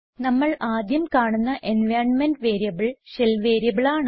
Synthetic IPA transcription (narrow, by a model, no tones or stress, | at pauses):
nɐmːɐɭaːd̪jɐmkaːɳunːɐʔenʋaːrɳmenɖʋeːɾijɐbiɭɕelʋeːɾijɐbiɭaːɳ